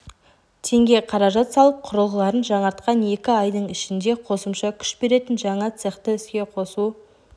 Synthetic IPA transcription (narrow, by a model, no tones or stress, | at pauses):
t̪ʰe̞ŋɡʲe̞qʰɑɾɑʒɑt̪sɑlˠəp̚qʰʊɾəlˠʁəlˠɑɾənʒɑɴɑɾt̪qɑne̞kʲɪɑjd̪əɴɪʃɪnd̪e̞qʰo̞səmʃɑkʲʰʏ̥ʃbe̞ɾe̞t̪ɪnʒɑɴɑt̪seχt̪əʏskʲe̞qʰo̞su